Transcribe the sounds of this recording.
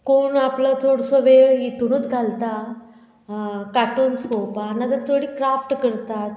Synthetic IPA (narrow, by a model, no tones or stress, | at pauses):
koɳaplət͡soɽsɔʋejet̪unət̪ɡʱalt̪a | kaʈonskopaːnat̪əɾt̪ʰoɽiːkɾafʈkəɾt̪at̪